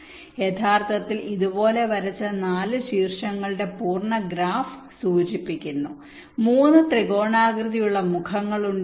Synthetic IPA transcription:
jet̪ʰaːrt̪ɐt̪ːiliðubo̞ːle̞ʋɐɾɐt͡ɕːɐnaːlɨɕiːrʂɐŋːɐɭɨɽe̞puːrɳɐɡɾaːf | suːt͡ɕipːikʲːunːu | muːnːɨt̪riɡo̞ːɳaːɡɾɨðijuɭːɐmukʰɐŋːɐɭuɳ

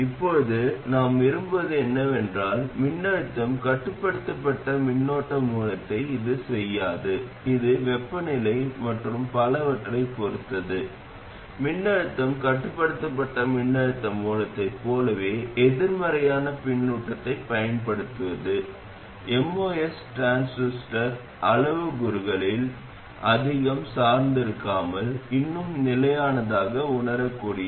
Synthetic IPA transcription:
ɪpːoɻðɯnaːmʋɪɾɯmbɐðɯɛnːɐʋɛndraːlmɪɳːɐɻɯt̪ːɐmkɐʈːɯpːɐɽɯt̪ːɐpːɐʈːɐmɪɳːoːʈːɐmuːlɐt̪ːɐɪɪðɯsɛjːaːðɯ | ɪðɯʋɛpːɐnɪlɐɪmɐʈrɯmpɐlɐʋɐʈːɐlɐɪpɔɾɯt̪ːɐðɯ | mɪɳːɐɻɯt̪ːɐmkɐʈːɯpːɐɽɯt̪ːɐpːɐʈːɐmɪɳːɐɻɯt̪ːɐmuːlɐt̪ːɐɪpːoːlɐʋeːɛðɪɾmɐɾɐjaːnɐpɪɳːuːʈːɐt̪ːɐɪpɐjɐnpɐɽɯt̪ːɯʋɐðɯ | ɛmoːɛsʈaːnsusʈɐɾ | ʔɐlɐʋɯɡʊɾɯɣɐɭɪl | ʔɐðɪɣɐmsaːɾnd̪ɪɾɯkːaːmɐlɪnːɯmnɪlɐjaːnɐðaːɣɐʊɳɐɾɐkːuːɽɪjɐ

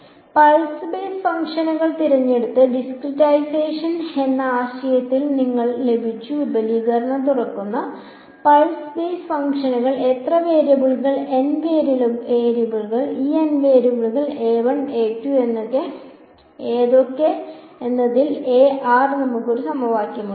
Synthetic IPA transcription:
pɐɻsbeːsfɐŋkʂɐnɐɣɐɭt̪iɾɐɲːe̞ɽut̪ːɨɖiskriʈːajseːʂɐne̞nːɐaːɕɐjɐt̪ːilniŋːɐɭle̞bʱit͡ɕːuʋibɐliːɣɐɾɐɳɐmt̪urɐkːunːɐ | pɐɻsbeːsfɐŋkʂɐnɐɣɐɭe̞t̪rɐʋeːɾjɐbuɭɣɐɭe̞nʋeːɾieːɾɐbuɭɣɐɭiːenʋeːɾubuɭuɣɐɭeːʋɐɳeːʈːue̞nːokːe | eːðokːe | enːɐðileːʔaːrnɐmːukːo̞ɾusɐmɐʋaːkʲjɐmu

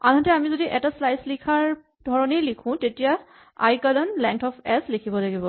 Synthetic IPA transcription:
a̰nɦɔtɛamizodiʔɛtaslajslikʰaɹ | dʱɔɹɔnejlikʰʊ̃tetija | a̰jkalɔnlɛŋtʰɔpʰɛslikʰibɔlaɡibɔ

